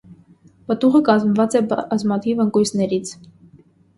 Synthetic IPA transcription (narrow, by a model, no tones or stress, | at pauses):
pət̪uʁəkɑzmvɑt͡sɛbɑzmɑt̪ʰivəŋkujsnɛɾit͡sʰ